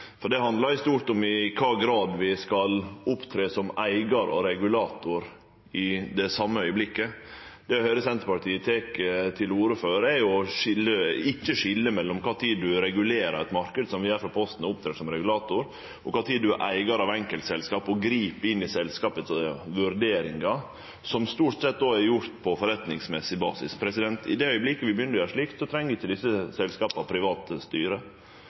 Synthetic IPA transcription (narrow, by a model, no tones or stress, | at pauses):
fɔɖɛhɑnd̪lɑɾɪst̪uːɾʈɔmɪkʰɑːɡɾɑːd̪ʋɪskɑlʊpt̪ʰɾeːsɔmæɪɡɑɾɔ̰ɾɛɡʉlɑːt̪ʊɾ | ɪd̪ɛsɑmːəœʏəblɪkːəd̪̥ɛhœʏɾəsɛnt̪əɾpɑʈiːət̪ʰeːkət̪ʰɪluːɾəføːɾɛɾjʊʂɪlːəɪkːəʂɪlːəmɛlːɔmkʰɑːt̪ʰiːd̪ʉɾɛɡʉleːɾə̰ɾɛt̪mɑɾkəd̪sɔmʋɪæɾfɾɑpʰɔst̪n̩ʊpt̪ʰɾeːsɔmɾɛɡʉlɑːt̪ʊɾ | ʔɔkʰɑːt̪ʰiːd̪ʉʔæ̰ɪɡɑɾɑʋɛŋkəlt̪sɛlskɑːpɔɡɾiːpɪnːɪsɛlskɑːpət̪sʋʉɾɖ̪eːɾɪŋɑ | sɔmst̪uːʈsɛt̪̚ːd̪oːɛɾjʊɾt̪pʰɔfɔɾɛt̪nɪŋsmɛsɪbɑ̰ːsɪ̰spʰɾɛsɪd̪ɛnt̪ɪ̰d̪ɛœʏəblɪkːəʋɪbjʏnːəɾæʂɭɪkt̪sɔt̪ʰɾɛŋːəɪçːɪld̪ɪsːəsɛlskɑːpəɑpʰɾɪʋɑːt̪st̪yːɾə